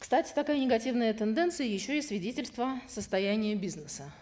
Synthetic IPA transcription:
kst̪atʲɪ̥t̪ɐkajənʲɪɡɐtʲivnəjət̪ənd̪ɛnt̪sɨjəjɪɕːoɪsvʲɪdʲetʲɪlʲst̪vəsəst̪ɐjænʲɪjəbʲiznəsə

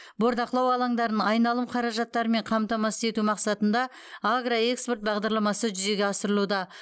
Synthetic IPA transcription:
bo̞ɾd̪ɑqlˠɑwɑlˠɑŋd̪ɑɾənɑjnɑlˠəmqʰɑɾɑʒɑt̪ːɑɾəme̞ɴqʰɑmt̪ɑmɑsə̥e̞t̪umɑqsɑt̪ən̪d̪ɑ | aɡroe̞kspo̞rt̪̚bɑʁd̪ɑɾlˠɑmɑsəʒʏze̞ɡʲeɑsəɾəlˠud̪ɑ

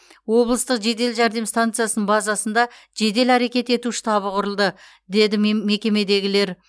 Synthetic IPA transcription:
wo̞blˠəst̪əqʒe̞d̪e̞lʒæɾd̪e̞mst̪ant̪sɨjasənəɴbɑzɑsənd̪ɑ | ʒe̞d̪e̞læɾe̞kʲe̞t̪e̞t̪uʃɪ̥t̪ʰɑβəqʰʊɾəlˠd̪ə | d̪e̞d̪ɪme̞kʲe̞me̞d̪e̞ɡʲɪle̞ɾ

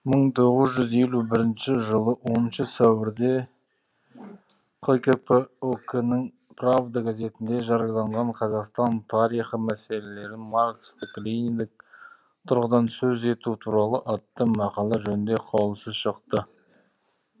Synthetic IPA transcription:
məɴt̪ʰo̞ʁəzʒʏzje̞lubɪɾɪnʃɪʒəlˠəwo̞nənʃəsæwɪɾd̪e̞ | qʰojkepeokenɪŋ | pravd̪aɡaze̞t̪ɪnd̪e̞ʒɑɾjlˠɑɴʁɑɴqʰɑzɑqst̪ɑnt̪ʰɑɾijχəmæse̞le̞le̞ɾɪmarkst̪əkːlinʲid̪ɪk̚ | t̪ʰʊɾʁəd̪ɑnsɵze̞t̪ut̪ʰuɾɑlˠəʔɑt̪ːəmɑqɑlˠɑʒɵnɪnd̪e̞qʰɑwlˠsəzʃəqt̪ə

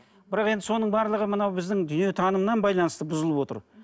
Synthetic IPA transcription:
b̥ɪɾɑqe̞nd̪ɪso̞nəɴbɑɾlˠəʁəmənɑwbɪzd̪ɪŋd̪ʏnijet̪ʰɑnəmənɑnbɑjlˠɑnəst̪əbʊzəlˠəpwo̞t̪ə̰ɾ

